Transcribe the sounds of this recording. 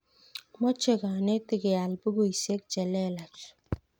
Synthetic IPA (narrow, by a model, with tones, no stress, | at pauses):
mɔ˦t͡ʃe˦ka˨nɛ˦tɪ˦ɡɪ˨a˨lbu˦ɡo˦i˨se˦k̚t͡ʃɛ˨lɛ˦˨la˨t͡ʃ